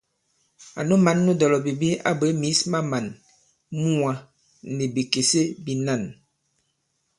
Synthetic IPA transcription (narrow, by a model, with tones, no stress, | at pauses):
a̰˨no˦ma˨˦nːu˦dɔ˨lɔ˨bi˨bi˦a̰˦bə˨˦mi˨˦sma˦ma˨n | mu˦a˨ | ne˨bi˨ke˨se˦bi˨na˦˨n